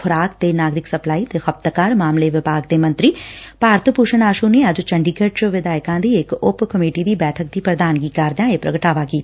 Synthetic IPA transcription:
xʰʊɾaːk̚t̪enaːɡɾɪksɐplaːit̪exɐp̚t̪kaːɾmaːmleʋɪbaːɡ̚d̪emɐ̃nt̪ɾipaːɾt̪ʰəpuʃənaːʃũneəd͡ʒt͡ʃə̃ɳɖiːkəɾt͡ʃʋɪd̪aːjkãd̪iekʊpkɐmeːʈid̪ibɛːʈʰək̚d̪ipɾəd̪aːnkikaːɾd̪jãepɾɐ̰ɡəʈaːʋakiːt̪

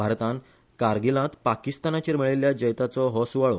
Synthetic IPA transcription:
bʱaɾt̪ãn | kaɾɡilãt̪pakist̪anat͡ɕiɾməɭiljad͡ʑəjt̪at͡sɔɦɔsuʋaɭɔ

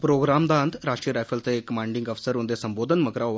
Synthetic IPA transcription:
pɾoɡɾamd̪ãnd̪ɾaʂʈɾiɾajfəlt͡sekːəmaɳɖiŋɡəfsəɾund̪esəmbod̪ʱənməkɾaʋ

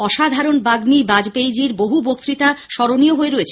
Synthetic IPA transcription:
ɔʃad̪ʱaɾonbaɡmibad͡ʑpejd͡ʑiɾboɦubok̚t̪ɾit̪aʃɔɾonioɦoeɾoet͡ɕʰ

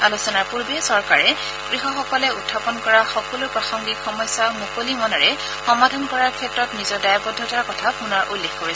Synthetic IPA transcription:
alusɔnaɹpuɹbɛsɔɹkaɹɛ | ɡ̥ɹiɦɔxɔkɔlɛutʰːapɔnkɔɹaxɔkɔlupɹaxɔŋɡikxɔmɔjsamukolimɔnɔɹɛ | xɔmadʱɔnkɔɹaɹkʰɛtɹɔtnizɔɹdajabɔdʱɔtaɹkɔtʰapunɔɹʔulːexkoɹɛs

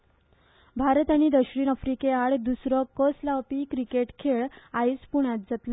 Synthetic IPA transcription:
bʱaɾət̪aɽ̃id̪əɕɾiːnəfɾikeaɽd̪usɾɔkəslapikɾikeʈkʰeɭajspuɳjat̪̚d͡zat̪la

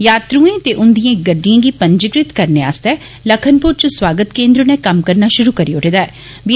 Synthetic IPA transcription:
jaːt̪ɾũːẽːt̪eːʔʊnd̪ijãːɡəɖːijãːɡiːpə̃ɲd͡ʒəɡɾɪt̪kəɾnea̰ːst̪ɛː | ləkʰənpʊɾt͡ʃəswaːɡət̪kẽːnd̪ɾonekəmkəɾnaːʃʊɾuːkəɾiːʊʈʰeːd̪aːɛ | ʋi

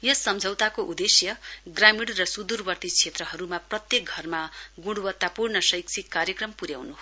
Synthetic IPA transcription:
jʌsʌmd͡zʱʌwt̪akoʔud̪esjʌɡramiɽrʌsud̪urbʌrt̪it͡sʰet̪rʌɦʌɾumaprʌt̪jek̚ɡʱʌrmaɡuɽwʌt̪ːapurnʌsʌjksʰikːaɾjʌkrʌmpuɾjawnu

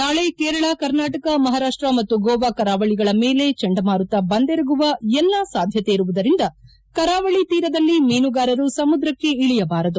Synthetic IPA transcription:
naːɭe̞kɛːɾɐɭɐkɐɾnaːʈɐkɐmɐɦaːɾaːʂʈɾɐmɐt̪ːuɡɔːʋakɐɾaːʋɐɭiɡɐɭɐmeːle̞t͡ʃɛɳɖɐmaːɾut̪ːɐbɐnd̪eɾɐɡuʋɐɛlːasaːd̪ʱjɐt̪eiɾuʋud̪ɐɾind̪ɐ | kɐɾaːʋɐɭit̪iːɾɐd̪ɐlːimiːnuɡaːɾɐɾusɐmud̪ɾɐkːe̞iɭijɐbaːɾɐd̪u

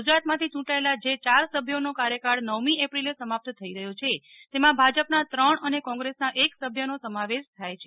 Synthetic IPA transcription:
d͡ʒɾat̪mãt̪ʰit͡ʃũʈaelad͡ʒet͡ʃaɾsəbʱjonokaɾjəkaɽnəʋmiepɾilesəmap̚t̪t̪ʰəiɾəɦjot͡ʃʰe | t̪emãbʱad͡ʒəpnat̪ɾəɳənekɔ̃ŋɡɾesnaʔeksəbʱjənosəmaʋeʃt̪ʰajt͡ʃʰe

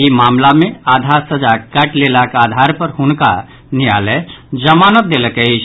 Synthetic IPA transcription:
imaːmlamẽaːd̪ʱaɾsəd͡ʒakəʈlelakaːd̪ʱaɾpəɾɦʊnka̰ | nija̰ːlɛd͡ʒəmanət̪̚d̪eləkəit͡ʃʰ

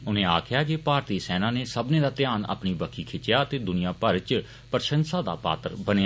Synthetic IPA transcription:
ʊnẽːa̰ːkʰɪjaːkepaːɾt̪iːsɛːnãːneːsəbnẽːd̪aːt̪ɪjaːna̰pniːbəkʰːiːkʰɪt͡ʃːɪjaːət̪eːd̪ʊnɪjãːpəɾt͡ʃ | pəɾʃə̃nsaːd̪a̰ːpa̰ːt̪əɾbəne

